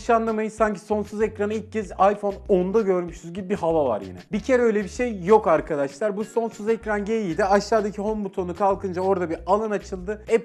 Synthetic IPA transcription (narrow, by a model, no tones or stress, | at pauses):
ʃanlˠamajɯsaɲcʰi̥so̞nsuzecɾanɯilʲc̚cːʰɛzajfo̞no̞nd̪aɟø̞ɾmyʃyzɟibibiɦavava̰ɾjḭnɛbicʰe̞ɾɛø̞jlʲɛbiʃe̞jːo̞kaɾkʰad̪aʃlˠaɾbuso̞nsuzecɾanɟe̞jijd̪iaʃlˠaːd̪acʰiho̞mbut̪ʰo̞nukʰalˠkʰɯnd͡ʒao̞ɾd̪abialˠanat͡ʃʰɯlˠd̪ɯɛp